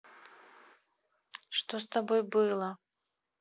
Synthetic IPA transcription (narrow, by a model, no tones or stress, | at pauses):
ʂt̪ost̪abojbɨlˠə